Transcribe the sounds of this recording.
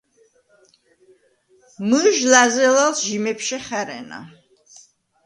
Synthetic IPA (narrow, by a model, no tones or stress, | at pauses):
məʒlazɛlalsʒimɛpʃɛχæɾɛ̰na̰